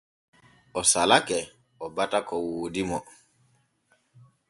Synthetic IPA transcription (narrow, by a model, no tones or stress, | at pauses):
ɔsalakɛ | ɔbatakɔwoːdimɔ